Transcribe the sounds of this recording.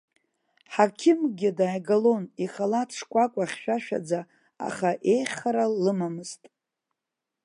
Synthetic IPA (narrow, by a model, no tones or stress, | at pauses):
ħakʲʰɪmɡʲɪdaːɡalo̞niχalatʰʂkʷʼakʷʼaχʲʃᶣaʃᶣa̰d͡za | a̰χaʔe̞jχʲχaɾalɨmamɨztʼ